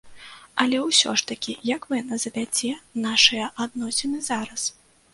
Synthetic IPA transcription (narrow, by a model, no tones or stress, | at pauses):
ɐlʲɛwsʲɔ̰ʂt̪ɐkʲijɐkvɨnɐzɐvʲad͡zʲɛnaʂɨjɐʔad̪̚nɔsʲɛnɨzaɾɐs